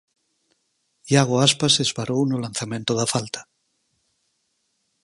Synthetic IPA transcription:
jaɣoaspasezβaɾownolanθamẽnt̪oðafalt̪ḁ

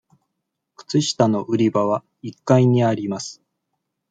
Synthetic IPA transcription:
kɯ̟̥t͡sɨɕi̥t̪ano̞ʔɯ̟ɾʲibaβa | ikːaiɲ̟iaɾʲimasɨ̥

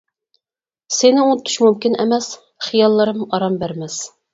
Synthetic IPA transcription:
sɪnɪunt̪ʰy̥ʃmumkʲinɛ̰mɛs | χijɑlˠːɨɾɨmɑɾɑmbæɾmɛs

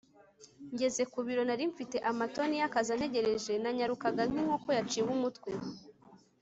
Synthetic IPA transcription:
ɲɟe̞ze̞kuβiɾo̞naɾiɱfite̞ʔamato̞nijakazane̞ɟe̞ɾe̞ʒe̞naɲaɾukaɡaŋ̥iŋhokojat͡ʃiwumutkwe̞

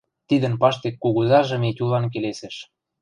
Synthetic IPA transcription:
t̪id̪ə̆npɑʃt̪ekːuɣuzɑʒɤ̆metʲulɑnk̬eleseʃ

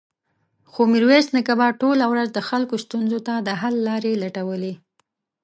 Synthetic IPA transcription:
xomiɾwesnakabɑʈolawɾazd̪əxalkost̪unzot̪ad̪əɦalːɑɾelaʈawəle

